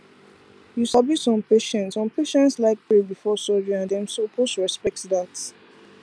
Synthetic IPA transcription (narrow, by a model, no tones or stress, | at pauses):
juʃabisɔ̃mpeʃɛ̃ntsɔ̃mpʰeʃɛ̃ntslaɪk̚pʰebifɔsɔd͡ʒĩãndɛ̃msopʰosɹɛspɛk̚tdat